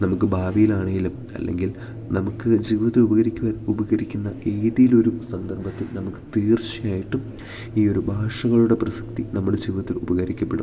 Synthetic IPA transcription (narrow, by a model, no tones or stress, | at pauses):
nɐmukːɨbʱaːbijilaːɳeŋɡilum | ɐ̰lːʔe̞̰ŋɡil | nɐmukːɨd͡ʑiːʋɐt̪ːilubɐɣɐɾikʲːuɣɐɾubɐɣɐɾikʲːunːɐʔeːðijilo̞ɾusɐnd̪ɐrbɐt̪ːilnɐmukːɨ̥t̪iːrt͡ɕijaːjiʈːum | iːo̞ɾubʱaːʂɐɣɐɭuɽe̞prɐsɐ̥k̚t̪inɐmːuɽed͡ʑiːʋɐt̪ːilubɐɣɐɾikʲːɐpːeɽu